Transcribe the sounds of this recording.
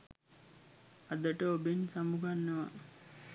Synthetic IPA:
ad̪əʈəobensamuɡʱanːəʋa

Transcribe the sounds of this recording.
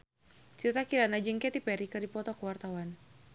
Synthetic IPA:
t͡ʃirt̪akilanad͡ʒəŋkɛt̪ipɛɾikɨrdipɔt̪ɔkəwart̪awan

